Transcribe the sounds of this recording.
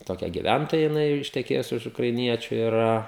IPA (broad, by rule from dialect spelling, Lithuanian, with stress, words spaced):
toːˈkʲɛ ɡʲɪˈʋʲæntoːjɛ jɪˈnɐɪ jɛʊ ɪʃʲtʲɛˈkʲeːjʊs ʊʃ ʊkrɐɪˈnʲiɛt͡ʃʲʊ ɪˈrɐ